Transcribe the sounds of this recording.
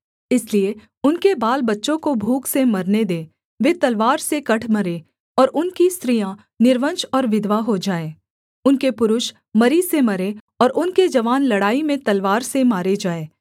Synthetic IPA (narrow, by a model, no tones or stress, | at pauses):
ɪslie | ʊnkebaːlbɐtːʃõkobʱuːksemɐɾned̪eː | ʋeːt̪ɐlʋaːɾsekɐʈʰmɐɾeː | ɔːɾʔʊnkist̪ɾijã | nɪɾʋə̃nʃɔːɾʋɪd̪ʋaɦod͡ʒaːeː | ʊnkepʊɾʊʃ | mɐɾisemɐɾe | ɔːɾʔʊnked͡ʒɐʋaːnlɐɽaːimẽt̪ɐlʋaːɾsemaːɾed͡ʒaːeː